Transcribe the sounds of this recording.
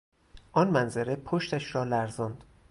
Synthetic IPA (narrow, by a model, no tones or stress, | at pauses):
ʔɒnmænzeɾepʰoʃt̪æʃɾɒːlæɾzɒːnd̪̥